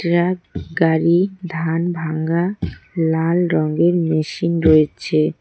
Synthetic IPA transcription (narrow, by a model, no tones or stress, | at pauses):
ʈɾaɡɡaɾid̪ʱanbʱaŋɡalalɾɔŋɡeɾmeʃinɾojet͡ɕʰe